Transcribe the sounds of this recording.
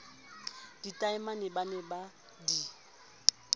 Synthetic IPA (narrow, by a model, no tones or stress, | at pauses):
d̥itʼaɪmanɪbanɛba | di